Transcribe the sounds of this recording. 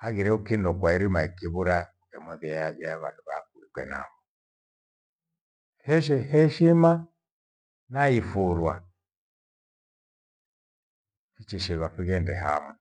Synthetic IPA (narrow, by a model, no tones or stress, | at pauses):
haɣiɾɛukindɔkwaiɾimaikiβuɾa | kɛmɔðiaaɓaaβanduβakuikwɛ̰na̰βɔ | hɛʃ̬ɛhɛʃima | naifuɾwa̰ | fit͡ʃiʃiβaɸiɣɛndɛɦa̰ma